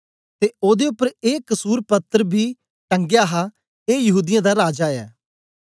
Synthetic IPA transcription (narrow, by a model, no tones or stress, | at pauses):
t̪eːoːd̪eʊpːəɾeːkəsuːɾpət̪ːəɾbʱiː | ʈə̃ŋɡjaːɦa | eːjɐɦuːd̪ɪjãːd̪aɾaːd͡ʒaːɛ̰ː